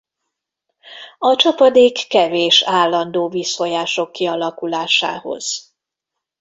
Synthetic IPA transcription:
ɒt͡ʃɒpɒd̪eːkːɛveːʃaːlːɒnd̪oːvisfojaːʃo̞kːiɒlɒkulaːʃa̰ːho̞̰z̥

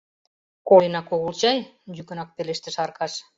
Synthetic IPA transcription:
koənɑkoɣult͡ɕɑjd͡ʑykə̆nɑk̚peleʃt̪ə̆ʃɑrkɑʃ

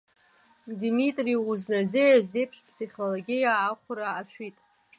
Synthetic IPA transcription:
dmitʼriuznad͡zejazejpʰʂpʰsiχʲloloɡʲijaːχʷʊɾaːʃᶣitʼ

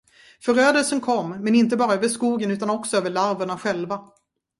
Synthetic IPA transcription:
fœɾøːd̪əlsənkʰɔmːɛnɪnt̪̬əbɑːɾaøːvəʂkuːɡənʉ̟ːt̪anɔksɔøːvəɭaɾvəɳaɧɛlva

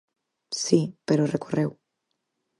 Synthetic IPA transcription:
sipeɾorekorew

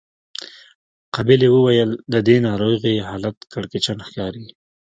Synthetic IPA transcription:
qɑbɪlewəwajəld̪əd̪enɑɾoɣiɦɑlat̪kaɽket͡ʃanxkɑɾi

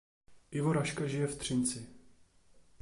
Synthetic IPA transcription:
ʔɪvo̞ɾaʃkaʒɪjɛft̪r̝̥ɪnt͡sɪ

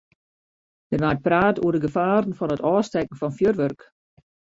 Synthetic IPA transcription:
dənʋaːt̚praːtoərdəɡəfaːrn̩fɔnətɔːstɛk̚n̩fɔnfjørʋørk

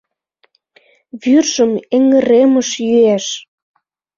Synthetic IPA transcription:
βyrʒəmeŋə̆ɾeməʃjyæʃ

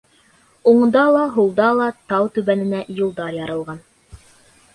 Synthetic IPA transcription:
uɴd̪ɑlˠɑɦulˠd̪ɑlˠɑt̪ɑwt̪ʉβænɘ̆næjulˠd̪ɑɾjɑɾɤ̆lˠʁɑn

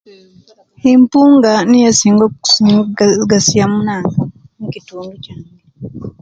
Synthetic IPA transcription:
himpuŋɡanijasiŋɡɔ | ɡasiamunaŋɡa | nikitumbit͡ʃaŋɡi

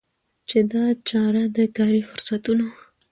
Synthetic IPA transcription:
t͡ʃed̪ɑt͡ʃɑɾad̪əkɑɾifʊɾsat̪uno

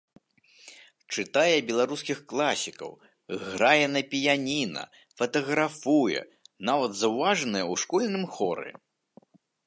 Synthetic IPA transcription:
t͡ʂɨt̪ajɛbʲɛlˠaɾuskʲixklˠasʲikɐ̰w | ɣɾajɛnɐpʲijanʲinɐ̰ | fɐt̪ɐɣɾafujɛ̰navɐd̪zɐwvaʐɐnɨjɐwʂkɔlʲnɨmxɔɾɨ̰

